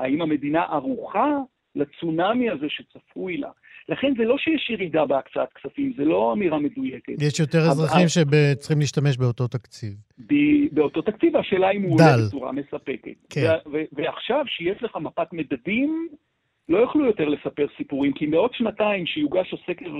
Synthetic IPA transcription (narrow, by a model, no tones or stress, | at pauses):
aimame̞d̪inaʔaʁuχa | lat͡sunamjazeʃet͡safuila̰laχe̞nzelo̞ʃejeʃjeʁidabeakt͡saat̪̚ksafimzelo̞amiʁame̞duje̞ketjeʃjo̞teʁezʁaχimʃebet͡sχimliːʃtame̞ʃbeo̞t̪o̞t̪akt͡sivbibeo̞t̪o̞t̪akt͡sivaʃeːlaimudaelt͡suʁa̰me̞sape̞kḛtkeveveaχʃavʃejeʃleχamapatme̞dadim | lo̞jaχlujo̞teʁle̞sape̞ʁsipuʁimkimbeo̞dʃnataimʃejuɡaʃasekeʁ